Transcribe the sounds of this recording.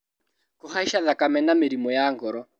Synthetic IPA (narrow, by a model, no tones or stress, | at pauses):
kʊɦaiʃaðakʼamɛnamɪɾimɔjaːŋɡɔɾɔ